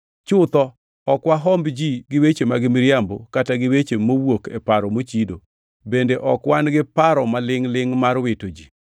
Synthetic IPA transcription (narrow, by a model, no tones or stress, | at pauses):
t͡ʃʊt̪ɔ | ɔkwaɦɔmbd͡ʒiɡɪwet͡ʃemaɡɪmɪɾjambokataɡɪwet͡ʃemowokɛpaɾɔmot͡ʃido | bendeʔɔkwanɡɪpaɾɔmalɪŋlɪŋmarwɪtod͡ʒi